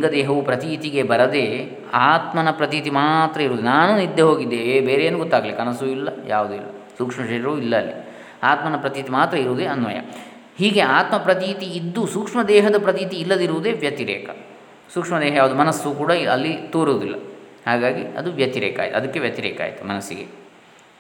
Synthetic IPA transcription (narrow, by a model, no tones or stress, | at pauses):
iŋɡɐd̪ɛːɦɐʋupɾɐt̪it̪iɡe̞bɐɾɐd̪e̞ | aːt̪mɐnɐpɾɐt̪̬it̪imaːt̪ɾɐiɾuːd̪enaːnunid̪ʱːeɦo̞ːɡid̪ːeːebeːɾeeːnuɡɔt̪ːaːɡɐlikɐnɐsuilːɐja̰ːʋud̪uḭlːɐ̰ | suːkʂmɐʃɐɾiɾuilːɐːlːḭ | aːt̪mɐnɐpɾɐt̪iːt̪imaːt̪ɾɐiɾuʋːd̪eɐnʋɐ̰jɐ̰ | hiːɡe̞aːt̪mɐpɾɐt̪iːt̪iːd̪ːusuːkʂmɐd̪ɛːɦɐd̪ɐpɾɐt̪iːt̪iːlːɐd̪iɾuʋud̪e̞ːʋjɐt̪iɾɛ̰ːkɐ̰ | suːkʂmɐd̪ɛːɦɐjaːʋud̪umɐnɐsːukuːɽaɐlːit̪oːɾoːd̪ilːɐ̰haːɡaːɡḭɐ̰d̪uʋjɐt̪iɾɛ̰ːka̰ːjt̪uɐ̰d̪ɐkːeʋjɐt̪iɾɛ̰ːka̰ːjt̪umɐnɐsːḭɡḛ